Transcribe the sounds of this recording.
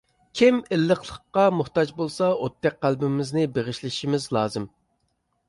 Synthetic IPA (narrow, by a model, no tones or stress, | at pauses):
kʲʰimɪlːəχlˠəqːɑmuχt̪ɑd͡ʒbolˠsɑot̪ʰːɛk̚qælbɪmɪznɪbeʁɪʃlɪʃimɪzlˠɑːzɨm